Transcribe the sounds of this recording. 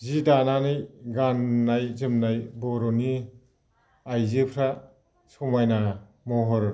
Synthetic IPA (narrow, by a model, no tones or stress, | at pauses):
zidananɯjɡanːajzɯmnajbɔɾɔni | ajzɯpʰɾa | sɔmajna | mɔɦɔɾɯ